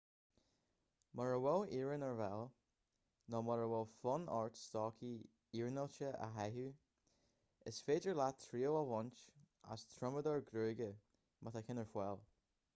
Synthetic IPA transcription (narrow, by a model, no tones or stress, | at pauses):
mɔɹəwɛliːɹənəɹvɛlˠ | nɔmɔɹəwɛlfɔnɑ̰ɹtstɔːkʰi | iːɹnəlt͡ʃəʔa̰ɦɛɦu | ɪsfeːd͡ʒəɹlat̪ʰɾiːoəvɔnt͡ʃ | a̰st̪ʰɹʊməd̪ɔɹɡɾøːɡə | mʔat̪akʰɪnəɹfwɛlˠ